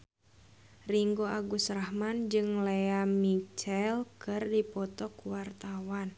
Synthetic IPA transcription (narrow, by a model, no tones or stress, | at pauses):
riŋɡoʔaɡusrahmand͡ʒɨŋleamit͡ʃɛlkɨrdipɔt̪ɔkuwart̪awan